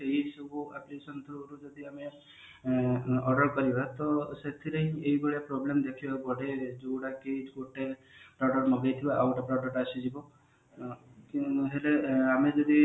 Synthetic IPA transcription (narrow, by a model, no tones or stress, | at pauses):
eɦisɔbuaplisɔnt̪ʰɔɾɾud͡ʒɔd̪iame | ɔɖɔɾkɔɾibat̪ɔset̪ʰiɾeɦĩeɦibɔɭjapɾɔblemd̪ekʰibaɡɔɽed͡ʒoɽaked͡ʒɡoʈepɾɔɖɔɾmɔɡajt̪ʰibaʔawʈɔpɾɔɖɔɾasid͡ʒibɔ | kɦeleamed͡ʒɔd̪i